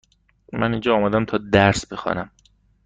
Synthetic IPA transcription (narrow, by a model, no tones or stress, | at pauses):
mænind͡ʒɒːmæd̪æmt̪ʰɒːd̪æɾsbe̞xɒ̰ːnæm